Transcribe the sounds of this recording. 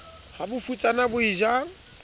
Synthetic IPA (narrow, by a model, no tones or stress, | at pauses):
habʊfut͡sʼanabʊiʒaŋ̩